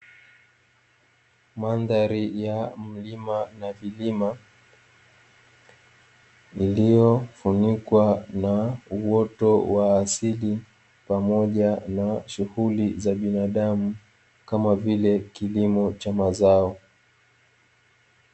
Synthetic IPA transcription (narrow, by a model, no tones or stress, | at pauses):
manðaɾijam̩limanavilima | ilijɔfunikwanauwɔtɔwaːsili | pamɔʄanaʃuhulizaɓinaɗamu | kamavilɛkilimɔt͡ʃamazaɔ